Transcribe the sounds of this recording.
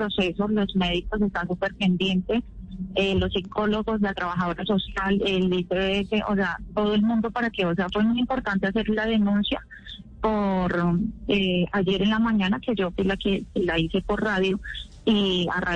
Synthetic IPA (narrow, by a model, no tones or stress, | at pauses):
pɾose̞so̞lo̞sme̞ðiko̞s̬e̞st̪ansupe̞ɾpe̞nd̪je̞nt̪e̞elo̞sːikʰo̞lo̞ɣo̞s̬lat̪ɾaβaxaðo̞ɾaso̞sjalelbiseeseʔo̰seat̪o̞ðoe̞lmũnd̪o̞paɾake̞os̬e̞afwe̞mujimpo̞ɾt̪ant̪e̞ase̞ɾlað̞e̞nũnsja | poɾead͡ʒe̞ɾenlamãɲãnake̞d͡ʒofilakekelaise̞po̞ɾraðjo | ia̰ra